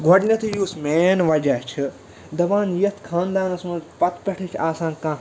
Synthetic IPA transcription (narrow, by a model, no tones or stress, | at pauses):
ɡʱoɖnʲɐt̪ʰijuːsmeːnʋɐd͡ʒaːt͡ʃʰi | d̪ɐbaːnjɐt̪ʰkʰãːnd̪aːnɐsmɐzpɐt̪pʲɐʈʰit͡ʃʰaːsãːŋkãː